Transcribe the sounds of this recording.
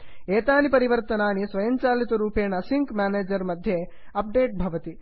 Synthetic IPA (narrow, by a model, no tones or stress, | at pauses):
eːt̪aːnipɐɾiʋɐɾt̪ɐnaːnisʋɐjɐɲt͡ʃaːlit̪ɐɾuːpeːnɐsiŋkmʲaːneːd͡ʒɐɾmɐd̪ʱje | ɐp̚ɖeːʈ̚bʱɐʋɐt̪i